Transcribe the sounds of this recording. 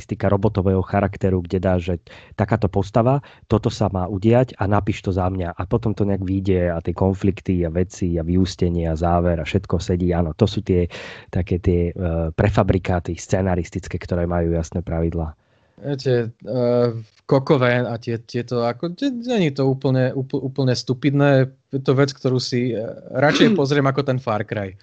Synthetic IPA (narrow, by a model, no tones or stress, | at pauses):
st̪ikaɾɔbɔt̪ɔʋɛːɦɔxaɾakt̪ɛɾuɡɟɛd̪aːʒɛt̪akaːt̪ɔpɔst̪aʋat̪ɔt̪ɔsamaːuɟɪaɟanapiːʃt̪ɔzamɲaʔapɔt̪ɔmt̪ɔɲɛaɡʋiɟɛat̪ɪɛkɔnflikt̪iaʋɛt͡siaʋiuscɛɲɪɛazaːʋɛɾafʃɛt̪kɔsɛɟiːanɔt̪ɔsuːt̪ɪɛt̪akɛːt̪ɪɛpɾɛfabɾikaːt̪ist͡sɛnaɾist̪it͡skɛːkt̪ɔɾɛːmajuːjasnɛpɾaʋid̪laː | ɛt̪ɛ | kɔkɔʋɛnat̪ɪɛt̪ɪɛt̪ɔakɔɲɛɲɛɲit̪ɔuːpl̩ɲɛupl̩uːpl̩ɲɛst̪upid̪nɛː | jɛt̪ɔʋɛt͡skt̪ɔɾuːsiɾat͡ʃɛjpɔzɾɪɛmakɔt̪ɛnfaɾkɾaj